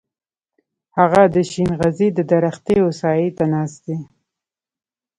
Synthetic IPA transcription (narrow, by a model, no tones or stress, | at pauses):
haɣad̪əʃinɣazid̪əd̪aɾaxt̪eosɑjet̪anɑsd̪e